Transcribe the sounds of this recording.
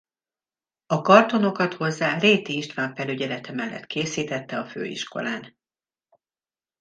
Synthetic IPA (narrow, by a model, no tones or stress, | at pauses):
ɒkɒrt̪o̞no̞kɒt̪ho̞zːaːreːt̪iiʃt̪ʋaːɱfɛlyɟɛlɛt̪ɛmɛlːɛ̰t̪keːsiːt̪ɛt̪ːɛɒfø̰ːḭʃko̞̰laːn